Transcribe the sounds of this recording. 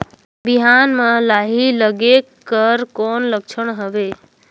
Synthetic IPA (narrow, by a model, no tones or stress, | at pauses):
biɦanmə̃laɦiləɡekːəɾkonlək̚t͡ʃʰəɳ̃ɦəʋe